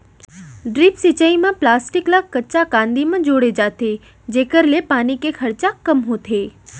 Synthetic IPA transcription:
ɖɾipsit͡ʃaimãplaːsʈɪklakːət͡ʃakãːnd̪imãd͡ʒoːɽed͡ʒat̪ʰe | d͡ʒeːkəɾlepaːnikekʰəɾt͡ʃakəmɦot̪ʰeː

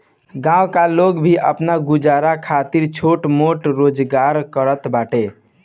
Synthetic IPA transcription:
ɡãw̃kaloɡbʱiʔəpnaɡud͡ʒaɾakʰat̪iɾt͡ʃʰoʈmoʈɾod͡ʒɡaɾkəɾət̪baʈe

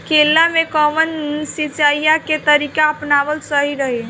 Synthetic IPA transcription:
kelːamekəʋənsit͡ʃajjaket̪əɾikaəpnaʋəlsəɦiɾəɦe

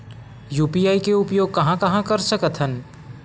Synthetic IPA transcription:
juːpijaːikeʊpjoːɡ̚kɐɦãkɐɦãkɐɾsəkət̪ʰɦən

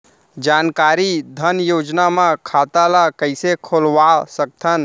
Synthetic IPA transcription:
d͡ʒankaɾid̪ʱənjod͡ʒnamãkʰat̪alakəɪsekʰolʋasək̚t̪ʰən

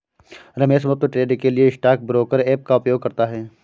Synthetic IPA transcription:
ɾɐmeːʃməp̚t̪əʈɾeːɖkelieɪsʈaːk̚bɾoːkəɾeːp̚kaʊpjoːɡ̚kɐɾt̪aɦɛː

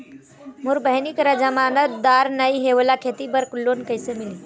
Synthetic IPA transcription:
muɾbəɦnikɾəd͡ʒəmanət̪̚d̪aɾnəjɦebəlakʰet̪ibəɾklonkəjsemili

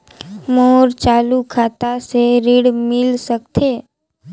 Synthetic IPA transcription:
moːɾt͡ʃaːlukʰaːt̪aseɾɪɽmɪlsək̚t̪ʰeː

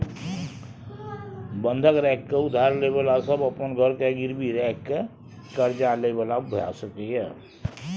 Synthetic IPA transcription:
bə̃nd̪ʱəkɾɛkːeʊd̪ʱaɾlebəlasəbəpənɡʱəɾkeɡɪɾbʱiɾɛkːe | kəɾd͡ʒalebəlabʱəja̰səkeɦɛː

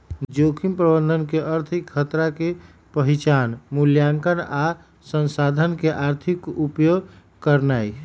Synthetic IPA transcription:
d͡ʒokʰimpɾəbənd̪ʱənkeʔəɾt̪ʰikʰːət̪ɾake | pəɦit͡ʃanmuljaŋkəna | sənsad̪ʱənkeʔaɾt̪ʰikupjoɡ | kəɾnaj

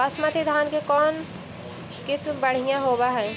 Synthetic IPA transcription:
əsmat̪id̪ʱaːnkekɔn | kɪt͡ʃʰbəɽ̤ijãɦobaɦɛj

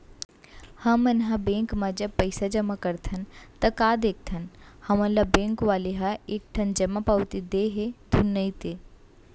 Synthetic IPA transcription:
hɐmənɦabẽːŋkmãd͡ʒɐb̚pəɪsad͡ʒɐmakɐɾt̪ʰɐnt̪ɐkaːd̪eːk̚t̪ʰɐnhɐmɐ̃lɐbẽːŋkʋaːleɦaeːk̚ʈʰɐnd͡ʒɐmapawt̪id̪eːɦed̪ʱunːəit̪eː

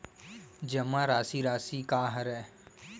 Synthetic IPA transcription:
d͡ʒəmãːɾaːsiːɾaːsiːkaːɦəɾɛː

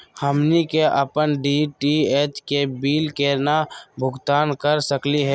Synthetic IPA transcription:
həmnikeʔəpənɖiːʈieːt͡ʃkebiːlkenabʱʊɡt̪aːnkəɾsəkliɦɛː

